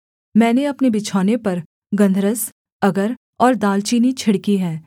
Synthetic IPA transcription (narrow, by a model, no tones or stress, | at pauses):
mɛ̃ːneɐpnebɪt͡ʃʰaːnepɐɾ | ɡɐ̃nd̪ʱɾəs | ɐɡəɾ | ɔːɾd̪aːlt͡ʃiːnit͡ʃʰɪɽkiɦɛː